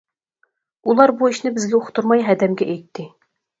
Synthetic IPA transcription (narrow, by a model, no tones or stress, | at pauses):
ulˠɑɾbuiʃnɪbɪzɡʲɛoχʰt̪uɾmɑjɦæd̪ɛmɡʲɛʔæjt̪ʰːɪ